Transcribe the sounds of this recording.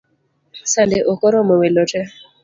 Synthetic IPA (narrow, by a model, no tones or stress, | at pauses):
sandeʔokɔɾɔmɔwelotɛ